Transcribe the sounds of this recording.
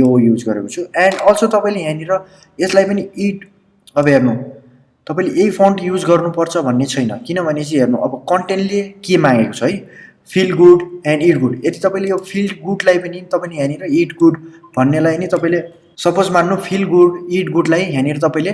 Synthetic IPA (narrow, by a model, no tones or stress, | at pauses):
ojud͡zɡʌɾḛkot͡sʰuãɳɖʌlt͡sot̪ʌpaĩleɦaneɾʌ | eslajpʌniiʈ | ʌbʌɦernu | t̪ʌpaĩleʔeipʰoɳʈjud͡zɡʌrnupʌrt͡sʰʌbʱʌnːet͡sʰʌjnʌkinʌbʱʌnet͡sʌ̃ɦernuʔʌbʌkʌɳʈeɳʈlekemãŋɡeko̥t͡sʰʌɦʌj | pʰilɡuɖãɳɖiʈɡuɖet̪i̥t̪ʌpaĩlejopʰilɖɡuɖlajpʌnit̪ʌpãĩleɦjaneɾʌiʈɡuɖbʱʌnːelajnit̪ʌpãĩle | sʌpod͡zmanːupʰilɡuɽiʈɡuɖlajɦaneɾʌt̪̬ʌpãĩle